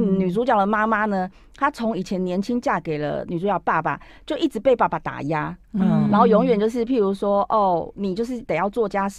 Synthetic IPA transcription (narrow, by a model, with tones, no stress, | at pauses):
ny˨˩t͡su˧˥t͡ɕjɑ˨˩ʊd̪ə˩ma˥ma˦nə˨ | t̪ʰa˥t͡sʰo˧˥ŋi˨˩t͡ɕʰjɛ˧˦nnjɛ˧˥nt͡ɕʰi˦ŋt͡ɕja˥˩ke˨˩ɪlə̰˧˦ny˨˩u˧˥t͡ɕɑ˧˨˩əpa˥˩pa̰˨˩ | t͡ɕjo˥˧ʊʔi˥˩ʈ͡ʂɻ̩˧˦pe˥ɪpa˥˩pa˨˩t̪a̰˨˩ja˥˨˩na˨˧˥xo˥˩jɔ˧˥ŋɥɛ˨˩nt͡ɕjo˥˧ʊʂ̬ɻ̩˥˩pʰi˥˩ɻu˧˥ʂwɔ˥ʔɔ˥˩ni˨˩t͡ɕjo˥˧ʊʂ̬ɻ̩˥˩t̪e˨˩jɑ˥˧ʊt͡swɔ˥˩t͡ɕja˦˥